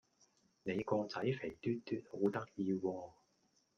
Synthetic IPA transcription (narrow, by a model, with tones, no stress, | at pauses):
ne˨˧jkɔː˧t͡sɐ˨˥jfe˨˩jt̪yː˥tt̪yː˥t̚ho˨˥wt̪ɐ˥k̚jiː˧wɔː˧